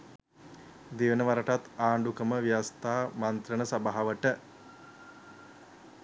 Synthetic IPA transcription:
d̪iʋənəʋaɾəʈat̪aːɳɖukəməʋijast̪aːmant̪ɾənəsabaɦaʋəʈə

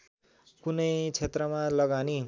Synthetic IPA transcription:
kunʌjt͡sʰet̪rʌmalʌɡani

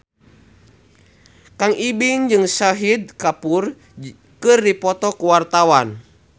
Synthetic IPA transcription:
kaŋibiŋd͡ʒɨŋsaɦid̪̚kapur | kɨrdipɔt̪ɔkuwart̪awan

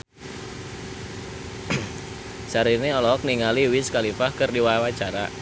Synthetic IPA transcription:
saɾineɔlɔk̚niŋaliwiskalifahkɨrdiwaawat͡ʃaɾa

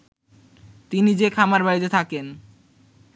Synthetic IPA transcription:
t̪inid͡ʑekʰamaɾbajd̪et̪ʰaken

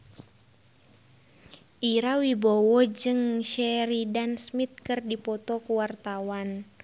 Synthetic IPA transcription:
ʔiɾawibɔwɔd͡ʒɨŋʃɛɾidansmit̪̚kɨrdipɔt̪ɔkuwart̪awan

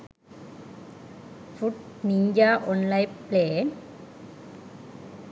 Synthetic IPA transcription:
fʊʈ | nɪɲd͡ʒaːʔɔnlaɪpleːn

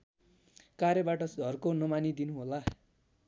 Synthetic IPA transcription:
kaɾjʌbaʈʌsɡʱʌrkonʌmanid̪inuɦola

